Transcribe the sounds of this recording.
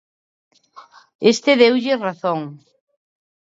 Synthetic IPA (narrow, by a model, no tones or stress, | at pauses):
est̪ɪðewʎɪraθoŋ